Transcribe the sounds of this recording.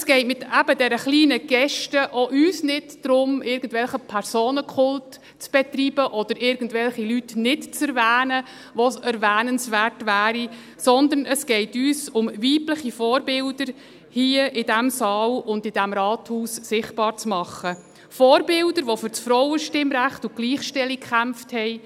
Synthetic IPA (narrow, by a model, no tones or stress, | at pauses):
sɡ̥ɛɪtmɪt̪æb̥ədɛɾəχliːnəɡ̥ɛʃtəʔoʔyːsnɪdd̥ɾʊmɪɾɡən̩dvʋɛlχəpʰæɾsoːnəkʰχʊlt | t͡sb̥ɛt̪riːb̥əʔɔd̥̪əɾʔɪɾɡ̥ən̩dvɛlχilytnɪtt͡sɛɾvæːnə | ʋosɛɾʋæːnənsʋærtʋæːɾi | sɔnd̪ənəsɡ̥ɛɪtyːsʊmviːpləχifɔːɾbɪld̥əɾ | hiəʔɪd̥æmsɑːlʊndɪd̥æmɾɑːthuːssɪχtb̥ɑːɾt͡smɑχːə | fɔːɾbɪldəɾʋofʏɾt͡sfɾɔwəʃtɪmɾæχtʊɡ̥liːχʃtɛlikkχæmfthɛɪ